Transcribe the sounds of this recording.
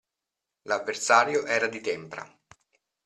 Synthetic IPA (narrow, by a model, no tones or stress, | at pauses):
lavːersaːɾjoʔɛːɾad̪it̪ɛmpɾa̰